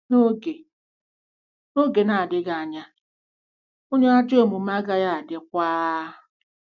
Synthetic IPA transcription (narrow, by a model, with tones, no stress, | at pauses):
no˦ɡe˨ | no˦ɡe˨na˨dɪ˦ɡa˨a˨ɲa˦ | o˦ɲe˦a˦d͡ʒo˦˨mu˨ma˦ɡa˦ja˦˨a˨dɪ˦kʷaː˦